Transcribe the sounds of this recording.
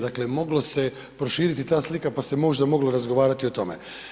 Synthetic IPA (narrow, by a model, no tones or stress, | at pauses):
d̪akle̞mo̞ɡlo̞se̞ | pɾo̞ʃiːɾit̪it̪aːslikapase̞mo̞ʒd̪amo̞ɡlo̞ɾazɡo̞ʋaːɾat̪io̞t̪o̞mḛ